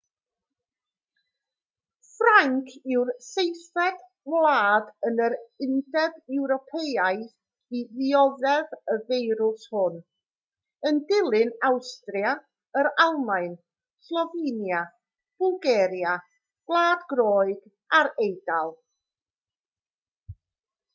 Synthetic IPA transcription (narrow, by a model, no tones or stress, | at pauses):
fraŋkʰɪwrsejθɛd̥ | wlˠaːdənəɾɪndɛbɛwɾɔpʰejajθ | iðiɔðɛðəvejɾʊshʊn | əndɪlˠɨnawstrja | əɾalˠmaɨn | slˠɔviːnja | b̥ʊlˠɡɛːɾja | ɡ̥lˠaːdɡɾɔːɨɡ̥ | aɾejd̥alˠ